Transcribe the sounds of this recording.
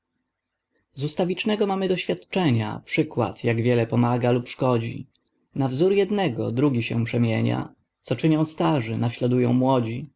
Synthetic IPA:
zust̪avʲit͡ʂnɛɡɔmamɘd̪ɔɕfʲjat̪t͡ʂɛɲa̰pʂɘkwa̰t̪ʰjaɡvʲjɛlɛpɔmaɡalupʂkɔd͡ʑḭ | navzuɾjɛd̪nɛɡɔ̰d̪ɾuɡʲiɕɛ̰̃pʂɛmʲjeɲa̰ | t̪sɔt͡ʂɘɲɔ̃w̃st̪aʐɘnaɕlad̪ujɔ̃w̃mwɔd͡ʑi

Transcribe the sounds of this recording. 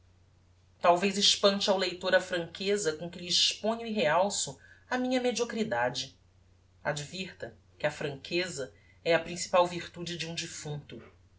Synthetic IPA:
t̪awvejzɪʃpɐ̃t͡ʃawlejt̪oɾɐfɾɐ̃ŋkʰezɐkõkɪʎɪːʃpõɲʊiɦeawsʊɐmĩɲɐmed͡ʒiokɾid̪ad͡ʒɪ | a̰d͡ʒviɾt̪ɐ | kɪɐfɾɐ̃ŋkʰezɐ | ɛɐpɾĩsi̥pawviɾt̪ud͡ʒɪd͡ʒɪũd͡ʒifũnt̪ʊ

